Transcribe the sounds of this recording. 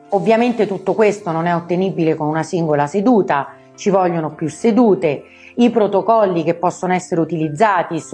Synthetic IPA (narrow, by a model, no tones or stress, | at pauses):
ovːjament̪et̪ut̪ːokwest̪ononɛot̪ːenibilekonunasiŋɡolased̪uːt̪a | t͡ʃivɔlʎːonopjusːed̪uːt̪e | ipɾot̪okɔlːik̟epːɔsːonoɛsːeɾeut̪ilid̪zːaːt̪is